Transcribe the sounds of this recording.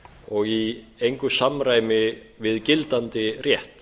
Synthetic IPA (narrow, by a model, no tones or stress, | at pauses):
ɔɣiejŋkʏsamɾaːjmɪ | vɪðcɪlt̪ant̪ɪrjɛht̪